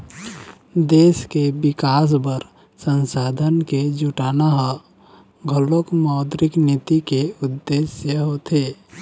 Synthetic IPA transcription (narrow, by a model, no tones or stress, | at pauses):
d̪eːskebɪkaːs̬bəɾ | sə̃nsaːd̪ʱənked͡ʒuʈaːnaɦ | ɡʱəlokmɔːd̪ɾɪknit̪ikeʊd̪ːeːsjəɦot̪ʰeː